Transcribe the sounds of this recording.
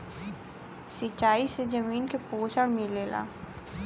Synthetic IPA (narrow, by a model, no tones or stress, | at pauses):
sɪt͡ʃaːised͡ʒɐmiːnkepoːsəɽmileːla̰ː